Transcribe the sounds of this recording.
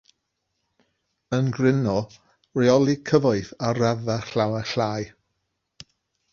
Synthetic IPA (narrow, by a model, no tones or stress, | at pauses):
ənɡrɪnɔ | rɛɔlˠikʰəvɔɨθarɛðaɬawɛɬaːj